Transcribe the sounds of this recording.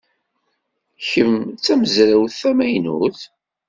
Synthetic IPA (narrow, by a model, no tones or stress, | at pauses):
çəmt͡sːæməzɾæwθæmæjnṵθ